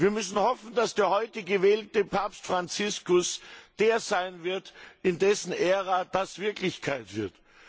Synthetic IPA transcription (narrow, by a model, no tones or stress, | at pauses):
viːɐmʏsn̩hɔfn̩dasd̥eːɐhɔʏtəɡəvɛːltəpʰaːpstfʁ̥ant͡sɪskʊsd̥eːɐzaɪnvɪɐtɪndɛsn̩ʔeːʁad̥asv̥ɪɐklɪçkʰaɪtv̥ɪɐt